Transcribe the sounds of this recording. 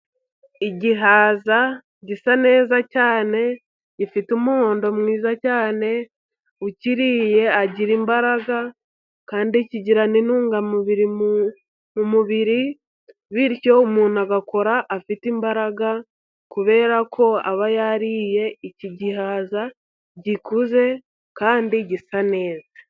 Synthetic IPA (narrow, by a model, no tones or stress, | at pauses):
iɟiɦaːza | ɟisane̞ːzacaːne̞ | ɟifitumuho̞ːndo̞mŋiːzacaːne̞ | uciɾiːje̞aɟiɾimbaɾaɡa | kaːndiciɟiɾaninuːŋɡamuβiɾi | mumuβiɾi | βiɾjo̞umuːn̥aɡako̞ɾaʔːfitimbaɾaɡa | kuβe̞ːɾakʰo̞a̰βajaɾiːje̞iciɟihaːza | ɟikuze̞ | kaːndiɟisane̞ːzḁ